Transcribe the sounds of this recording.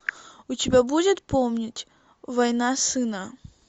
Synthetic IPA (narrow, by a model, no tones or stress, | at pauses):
ʊtʲɪbʲabudʲɪt̪pomnʲɪtʲ | vɐjnasɨnə